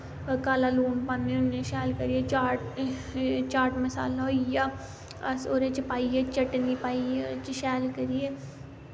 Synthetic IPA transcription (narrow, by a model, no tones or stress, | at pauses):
kaːlaluːnpãːneʊneʃɛːlkɐɾiet͡ʃaːʈ | t͡ʃaːɾʈmɐsa̰ːlaoja | ɐ̰soːɾet͡ʃəpaːiet͡ʃɐʈnipaːiet͡ʃʃɛːlkɐɾie